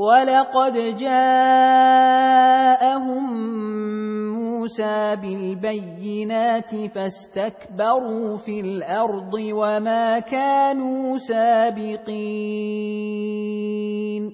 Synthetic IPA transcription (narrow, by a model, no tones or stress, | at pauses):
walɑqɑd̪d͡ʒaː | ʔaɦʊm | uːsaːbɪlbajːɪnaːt̪ɪfast̪akbɑɾuːfilʔɑɾˤd̪ˤɨwamaːkaːnuːsaːbɪqi | n